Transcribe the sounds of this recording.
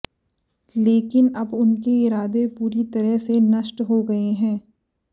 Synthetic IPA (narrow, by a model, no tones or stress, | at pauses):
leːkɪnɐbʊnkeɪɾaːd̪epuːɾit̪ɐɾəɦsenɐʃʈɦoɡɐeɦɛ̃ː